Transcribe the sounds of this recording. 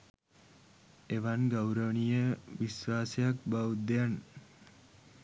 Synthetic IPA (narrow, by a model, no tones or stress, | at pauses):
eʋanɡawɾəʋəɳijəʋisʋaːsəjak̚bawud̪jan